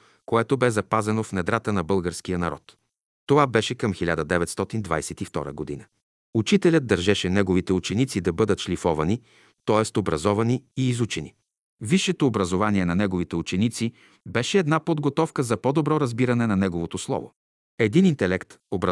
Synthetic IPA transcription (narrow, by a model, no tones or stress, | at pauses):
koɛt̪obɛzɐpazɛnofnɛd̪ɾat̪ənɐbɤlˠɡəɾsk̟ijənɐɾɔ̰t̪ː | ovabɛʃɛkɐmxilʲad̪əd̪ɛvɛt̪st̪ɔt̪ind̪va̰jsɛt̪ift̪ɔ̰ɾə̰ɡod̪ḭnə | ut͡ʃit̪ɛlʲəd̪̚d̪ːɐɾʒɛʃɛnɛɡovit̪ɛut͡ʃɛnit̪sid̪ɐbɤd̪ət̪ʃlʲifɔvɐni | t̪ɔɛst̪obɾɐzɔvɐniiːzut͡ʃɛnḭ | viʃːɛt̪oːbɾɐzovaniɛnɐnɛɡovit̪ɛut͡ʃɛnit̪si | bɛʃɛːd̪napod̪ɡot̪ɔfkəzɐpɔd̪obɾɔɾɐzbiɾɐnɛnɐnɛɡovot̪oslˠɔ̰vo̰ | ɛd̪inint̪ɛlɛkt̪obɾɐ